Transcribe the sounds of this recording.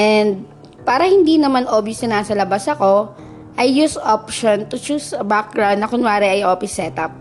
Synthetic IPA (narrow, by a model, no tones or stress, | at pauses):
ʔɛnd̪̚ | paːɾɐhɪnd̪iːnɐmanʔoːbjʊsnɐnaːsɐlɐbasɐko̞ | ʔɐjːusopʃont̪ʊt͡ʃuːsɐbak̚ɡɹaw̃d̪nɐkʊnwaːɾɛʔɐjʔoːfɪsːɛt̪ɐp̚